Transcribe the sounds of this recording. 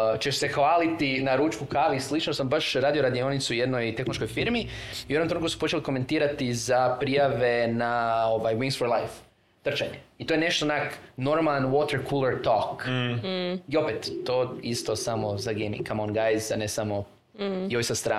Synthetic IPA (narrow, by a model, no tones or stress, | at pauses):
t͡ʃeʃse̞xʋaːlit̪inaɾuːt͡ʃkukaʋislit͡ʃnosambaʃɾaːd̪ioɾad̪ionit̪sujed̪nojt̪exnloʃko̞jfiɾmiiujomt̪ɾukusu̥po̞t͡ʃe̞liko̞me̞nt̪iːɾat̪izapɾijaʋe̞nao̞ʋajwĩŋsfoɾlˠajf | t̪r̩t͡ʃaɲeit̪ojene̞ʃt̪onakno̞ɾmalˠnwot̪eɾkʰulˠaɾt̪ok | io̞pet̪ːoist̪o̞samozaɡejmḭŋkʰamonɡajzanesamo̞ | iojst̪ast̪ɾaː